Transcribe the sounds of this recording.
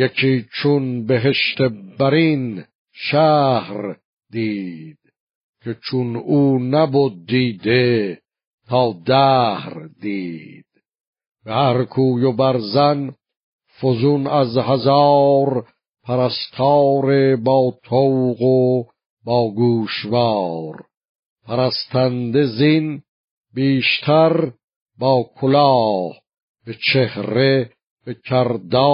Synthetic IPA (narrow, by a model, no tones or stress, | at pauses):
jekʰiːt͡ʃʰunbeɦeʃt̪ʰebæɾin | ʃæhɾ | d̪iːd̪̥ | cʰe̞t͡ʃʰunuːnæbod̪ːiːd̪e | t̪ʰɑːd̪æhɾd̪iːd̪̥ | behæhɾkʰuːjobæɾzæn | fozunæzhazɑːɾ | pʰæɾæst̪ʰɑːɾebɑːt̪ʰowɣo | bɒːɡuːʃvɑːɾ | pʰæɾæst̪ʰænd̪ezin | biːʃt̪ʰæɾ | bɒːkʰolɑːh | b̥et͡ʃʰehɾe | b̥ecʰæɾd̪ɑː